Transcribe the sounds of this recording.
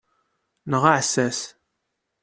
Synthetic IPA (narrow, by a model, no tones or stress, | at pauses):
nəʁaʕsæs